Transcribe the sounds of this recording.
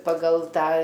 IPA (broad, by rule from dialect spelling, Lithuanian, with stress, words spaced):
pɐˈɡɐlˠ ˈtɑː